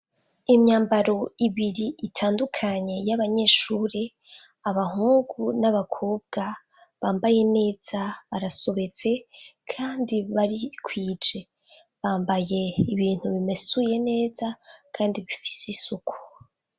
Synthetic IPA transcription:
imɲaːmbaɾo̞iβiɾiʔitʰaːndukʰaɲe̞jaβaɲe̞ʃuːɾe | aβaɦuːŋɡunaβakʰoːb̚ɡ̥a | βaːmbaje̞ne̞ːz̥aβaɾasoβe̞t͡se̞kʰaːndiβaɾikʰwiːd͡ʒe̞ | βaːmbaje̞iβiːn̥huβime̞suje̞ne̞ːzakʰaːndiβifi̥sisukʰu̥

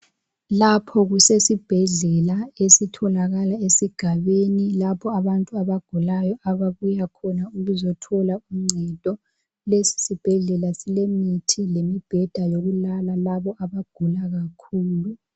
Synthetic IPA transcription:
lapʰɔɣusesib̥ʱɛɮɛlaesitʰɔlaɣalaesiɡ̥ʱaβenilapʰɔaβantʼuaβaɡ̥ʱulajɔʔaβaβujakʰɔnauɣuzɔtʰɔlaum̩ŋ͡ǀʱɛtʼɔ | lesi̥sib̥ʱɛɮɛlasilemitʰilemib̥ʱɛd̥ʱajoɣulalalaβɔʔaβaɡ̥ʱulaɣakʰuːlu

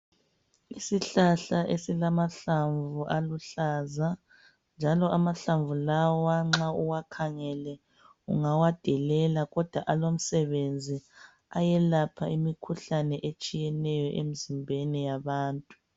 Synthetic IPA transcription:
isiɬaɬaʔesilamaɬaɱvuʔaluɬaza | nd͡ʒʱalɔʔamaɬaɱvulawɔwwaŋ͡ǁauwakʰaŋɛlɛ | ṵŋawad̥ʱɛlɛlaɣɔd̥ʱwaʔalom̩sɛβend͡zʱi | ajɛlapʰaimikʰuɬanɛʔet͡ʃʼijɛnɛjɔʔḛm̩zimbʱɛnɛjaβaːntʼu

